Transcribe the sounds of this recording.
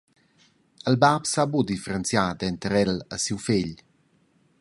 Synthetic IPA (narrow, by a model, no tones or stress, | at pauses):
əlbapsabud̪ifəɾənt͡sjad̪ɛnt̪əɾɛləsiwfeʎ